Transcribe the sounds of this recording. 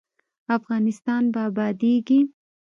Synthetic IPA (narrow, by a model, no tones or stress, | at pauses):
afɣɑnɪst̪ɑnbaabɑd̪eɡi